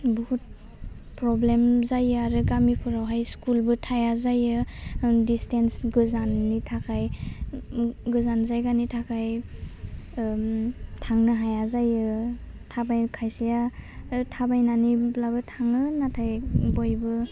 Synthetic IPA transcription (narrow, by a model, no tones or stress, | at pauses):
buhut̚ | pɾɔblemzajɯaɾɯɡamipʰɯɾawɦajskulbɯtʰajazajɯdistensɡɯzanːitʰakʰaj | ɡɯzanzajɡanitʰakʰaj | tʰaŋnɯɦajazajɯ | tʰabajkʰajsijatʰabajnaniblabɯtʰaŋɯnatʰajbɔjbɯ